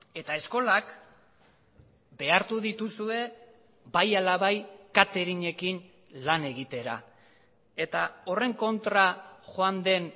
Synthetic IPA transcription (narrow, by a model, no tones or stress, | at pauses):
e̞t̪ae̞sko̞lak | be̞aɾt̪uðit̪usue̞ | bajalaβajkat̪e̞ɾiɲe̞kin | lane̞ɣ̞it̪e̞ɾa̰ | e̞t̪ao̞re̞ŋko̞nt̪ɾaʝoand̪e̞n